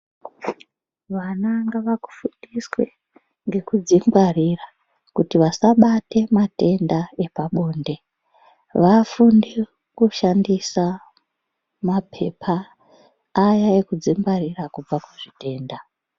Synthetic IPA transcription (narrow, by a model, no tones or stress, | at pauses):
ʋanaŋɡaʋaku̥fundiswe | ŋɡe̞kud͡ziŋɡwarira | kutiʋasaɓate̞mate̞ndae̞paɓo̞ːnde̞ | ʋafundi | kuʃandisa | mapʰe̞̰pʰaː | jaekud͡ziŋɡwarirakub͡vakuʐite̞ːnda